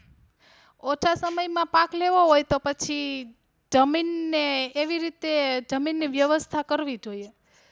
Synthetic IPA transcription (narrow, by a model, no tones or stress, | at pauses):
ot͡ʃʰasəməjmãpãkleʋoɦojt̪opət͡ʃʰi | d͡ʒəminːeːʋiɾit̪ed͡ʒəminːiʋjəʋəst̪ʰakəɾʋid͡ʒoie